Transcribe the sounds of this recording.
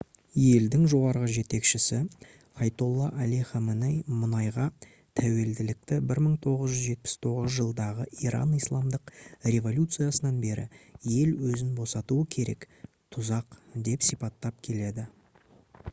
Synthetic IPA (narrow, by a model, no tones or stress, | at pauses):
je̞ld̪ɪŋʒo̞ʁɑɾʁəʒe̞t̪e̞kʃɪsɪ | ɑjt̪o̞lˠːɑʔæliχɑmənejmʊnɑjʁɑ | t̪ʰæwe̞ld̪ɪlɪk̚t̪ɪbɪɾməɴt̪ʰo̞ʁəzʒʏzʒe̞t̪̚pɪ̥st̪ʰo̞ʁəzʒəlˠd̪ɑʁəʔiɾɑ̰nijslˠɑmd̪əqrʲe̞vo̞lʲut̪sɨjasənɑnbe̞ɾɪ̰je̞lwɵzɪnbo̞sɑt̪uəkʲʰe̞ɾe̞̰k | t̪ʰʊzɑqd̪e̞psipɑt̪ːɑp̚kʲʰe̞le̞d̪ɪ